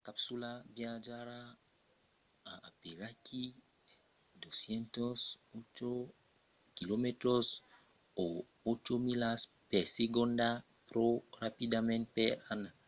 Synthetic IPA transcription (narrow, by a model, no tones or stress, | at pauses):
kapsulabjad͡ʒaɾa | aːpeɾatʰi | d̪osjent̪osot͡ʃo | kilomet̪ɾos | o | ot͡ʃomilas | peɾseɡond̪a | pɾoɾapid̪amẽnt̪̚peɾana